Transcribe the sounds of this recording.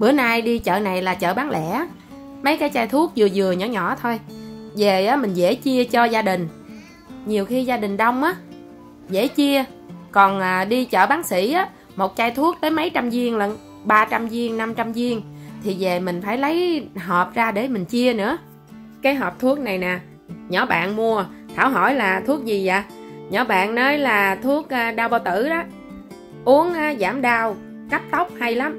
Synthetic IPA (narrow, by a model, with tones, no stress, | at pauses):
ɓɨ̰˧˩ənaː˧jɗi˧t͡ɕə̰ː˧˨na˨˩jlaː˨˩t͡ɕə̰ː˧˨ɓaː˨˦ŋlɛ̰˧˩˨ʔa˦ | mə˨˦jkaː˨˦jt͡ɕaː˧jt̪ʰu˦˥ək̚zɨ˨˩zɨ˨˩əɲɔ̰˧˩˦ɲɔ̰˧˨t̪ʰo˧jze˨˩ʔaː˨˦mï˨˩ŋ̟zḛ˧˩t͡ɕi˧ət͡ɕɔ˧zaː˧ɗï˨˩ŋ̟ | ɲi˨˩əwxi˧zaː˧ɗï˨˩ŋ̟ɗə˧wŋ͡mʔaː˨˦ | zḛ˧˩˦t͡ɕi˧əkɔ˨˩nʔaː˨˩ɗi˧t͡ɕə̰ː˧˨ɓaː˨˦ŋsḭ˧˩˥ʔaː˨˦ | mo˨˩t̚t͡ɕaː˧jt̪ʰu˦˥ək̚t̪əː˨˦jmə˨˦jt͡ɕa˧mzi˧əŋlə˧˩n | ɓaː˧t͡ɕa˧mzi˧əŋna˧mt͡ɕa˧mzi˧əŋt̪ʰi˨˩ve˨˩mï˨˩ŋ̟faː˧˩jlə˨˦jɦɔː˨˩p̚zaː˧ɗe˧˩mï˨˩ŋ̟t͡ɕi˧ənɨ̰˧˥ə | kaː˨˦jɦɔ˨˩p̚t̪ʰu˦˥ək̚na˨˩jnaː˨˩ | ɲɔ˧˩˦ɓa̰ː˧˨nmu˧ət̪ʰaː˧˩wɦo̰˧˩jlaː˨˩t̪ʰu˦˥ək̚zi˨˩za̰ː˨˩ɲɔ˨˩˦ɓa̰ː˧˨nnəː˨˦jlaː˨˩t̪ʰu˦˥ək̚ʔːɗaː˧wɓaː˧wt̪ɨ̰˧˩ɗɔ˨˦ | ʔu˨˦əŋʔaː˨˦zaː˧˩mɗaː˧w | kə˦˥p̚t̪ə˦˥wk͡p̚ha˧jla˨˦m